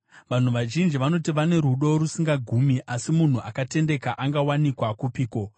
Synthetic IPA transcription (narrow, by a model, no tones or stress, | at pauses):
ʋan̤uʋaʒind͡ʒiʋano̞tiʋane̞ɾuɗo̞rusiŋɡaɡʱuːmiʔasimun̤uʔakate̞nde̞kaʔaŋɡawanikwakupiːko̞